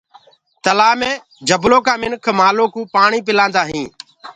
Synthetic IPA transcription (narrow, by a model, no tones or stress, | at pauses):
t̪əlaːmẽː | d͡ʒəbloːkaːmɪnkʰmaːloːkũːpaːɳiːp̬ɪlãːnd̪aːɦĩː